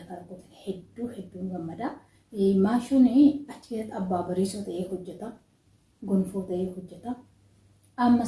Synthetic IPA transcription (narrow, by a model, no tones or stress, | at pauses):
ɐkɐɾɐk̪ːɔt̪ɪ̥nhɛd̪ːuːhɛd̪ːuːŋɡɐmːɐd̪ɐ | maːʃʊnɪɐt͡ʃːɪsɐt̪ɐbːaːbɐɾiːsot̪ɐʔeːhɔd͡ʒːɛt̪ɐ | ɡɔnfuːt̪ɐʔeːhɔd͡ʒːɛt̪ɐ | ɐmːɐ